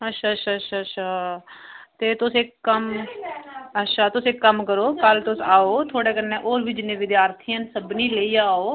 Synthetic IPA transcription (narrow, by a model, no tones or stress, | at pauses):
ətːʃʰaːtʃʰaːtʃʰaːtʃʰaː | t̪eːt̪ʊsɪkːəm | ətːʃʰaːt̪ʊsɪkːəmkəɾoːkəlt̪ʊsaːoːt̪ʰoːɽeːkəɾnːẽːʔoːɾʋiːd͡ʒɪnẽːʋɪd̪jaːɾt̪ʰiːãːnsəbniːləiːaːoː